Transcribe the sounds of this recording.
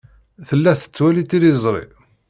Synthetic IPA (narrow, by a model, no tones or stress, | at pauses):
θəlːæθə̥t͡sːwælit̪iɾizˤɾˤḭ